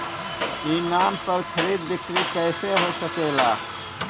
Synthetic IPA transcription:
iːnaːmpɐɾkʰɐɾiːd̪ʋɪkɾikɛːseɦoːsəkeːlaː

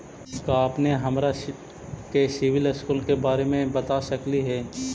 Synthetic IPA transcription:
skapneɦɐmɾa | kesɪʋɪlɪskuːlkebaːɾemẽbɐt̪asɐkliɦɛː

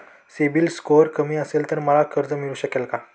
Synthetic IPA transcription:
sebiːlskoɾkəmiːəselt̪əɾməlakʰəɾd͡zəmiɭuːɕəkelka

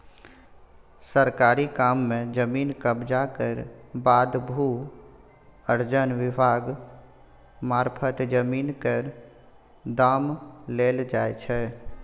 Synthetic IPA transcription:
səɾkaɾikamːẽd͡ʒəminkəbd͡ʒakəɾbad̪bʱu | əɾd͡ʒənʋɪbʱaɡ | maɾpʰət̪d͡ʒəminkəɾ | d̪amleld͡ʒaɛt͡ʃʰɛ

